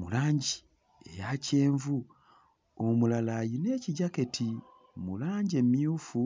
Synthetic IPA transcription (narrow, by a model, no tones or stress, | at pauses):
mṵlaːɲɟi | e̞̰jace̞ːɱvu | omulalajine̞ciɟake̞tʰi | mulaːɲɟe̞mjuːfu